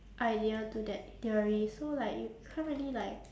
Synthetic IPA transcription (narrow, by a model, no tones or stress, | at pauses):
ʔaɪdiətudɛt̚diəɹisolaɪkjukʰaɹə̃nʔlilaɪk̚